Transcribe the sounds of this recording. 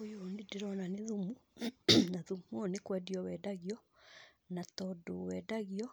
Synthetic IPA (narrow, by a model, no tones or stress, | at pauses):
ujonideɾɔnaneðumu | naðumonekwɛdiɔwɛdaɣiɔ | natɔdowɛdaɣiɔ